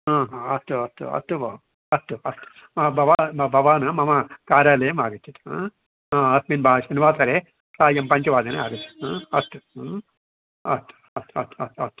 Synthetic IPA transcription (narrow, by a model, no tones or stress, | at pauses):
ɦãːɦãːɐst̪ːuɐst̪ːṵɐ̰t̪ːuʋɐ | ɐst̪uɐst̪u̥ | ɐbʱɐʋaːbʱɐʋaːnɐmɐmɐkaːɾjaːlɐjɐmaːɡɐt͡ʃʰːut̪ɦãː | ɦãːɐsminbʱaːʃɐniʋaːt̪ʰɐɾe | saːjɐmpɐɲt͡ʃɐʋaːd̪ɐnea̰ːɡɐt͡ʃ̪ʰːu̥t̪ɦãːɐst̪uɦãː | ɐ̰st̪u̥ | ɐst̪uɐ̰st̪ːuɐ̰t̪uɐ̰st̪u̥